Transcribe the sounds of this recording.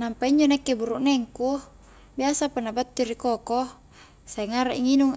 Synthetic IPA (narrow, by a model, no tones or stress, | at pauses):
nampaiɲd͡ʒonekːebuɾuʔnɛŋku | biasapanabat̪ːiɾikɔkɔ | saiŋaɾaʔiŋinuŋ